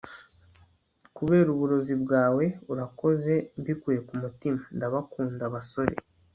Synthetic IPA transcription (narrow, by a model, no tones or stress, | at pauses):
kuβe̞ːɾuβuɾo̞zibɡaːwe̞uɾako̞ze̞mbikuje̞kumutimandaβakuːndaβaso̞ɾe̞̰